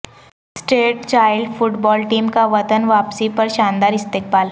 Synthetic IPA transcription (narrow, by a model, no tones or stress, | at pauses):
sʈeːʈt͡ʃaːɪlɖfʊʈbɔːlʈiːmkaʋɐt̪ənʋaːpsipəɾʃãːnd̪aːɾɪst̪eːk̚baːl